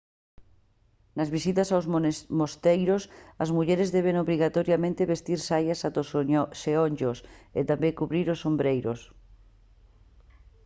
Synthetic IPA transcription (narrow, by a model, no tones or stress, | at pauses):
nazβisit̪asawzmost̪ejɾosazmuʎeɾezðeβ̞eŋoβɾiɣ̞at̪oɾjamẽnt̪eβest̪iɾsajasat̪oseonʲd͡ʒosḛt̪ambeŋkuβɾiɾosːombɾejɾos